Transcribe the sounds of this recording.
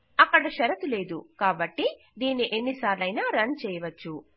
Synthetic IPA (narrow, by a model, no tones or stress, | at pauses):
ɐkːɐɽɐʃɐɾɐt̪uleːd̪ukaːbɐʈːi | d̪iːnːiʔe̞nːisaːɾlɐjnaːɾɐnt͡ʃɛːjɐʋɐt͡ʃːu